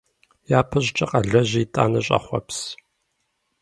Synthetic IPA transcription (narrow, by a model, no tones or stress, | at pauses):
jaːpʰɨɕt͡ʃʼɐqʼɐɮɐʑiːtʼa̰ːnɐɕʼɐ̰χʷɔ̰ps